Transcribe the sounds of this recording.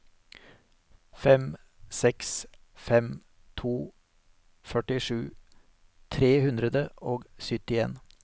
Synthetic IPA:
fɛm | sɛksfɛm | t̪ʰuː | fœʈɪʂʉː | t̪ʰɾeːhʉnd̪ɾəd̪əʔoːɡsʏt̪ɪḛːn

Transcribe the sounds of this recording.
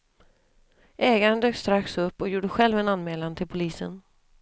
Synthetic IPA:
ʔɛːɡaɾənd̪øːkst̪ɾaksɵpːɔjuːɖəɧɛlvɛnanːmeːlant̪ʰɪlpʰʊliːsə̰n

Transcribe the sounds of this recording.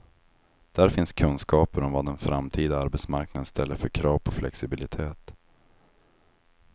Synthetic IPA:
d̪̥æɾfɪnskʰɵnskɑːpəɾɔmvad̪ɛnfɾamt̪ʰiːd̪aaɾbɛt̪smaɾknad̪ənst̪ʰɛlːəɾfœɾkʰɾɑːvpʰɔflɛ̰ksɪbɪlɪt̪ʰeːt̪

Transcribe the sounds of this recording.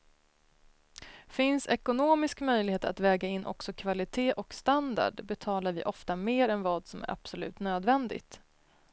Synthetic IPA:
fɪnsɛkʊnoːmɪskmœjlɪheːt̪ɾa̰t̪vɛːɡaɪnːʔɔ̰ksɔkʰvalɪt̪ʰeːʔɔkst̪and̪a̰ɖbɛt̪ʰɑːlaɾvɪ̰ːʔɔft̪ameːɾɛnvɑːd̪sɔmæ̰ɾʔa̰b̥sɔlʉ̟̰ːt̪nøːd̪vɛnd̪ɪ̰ɡt̪

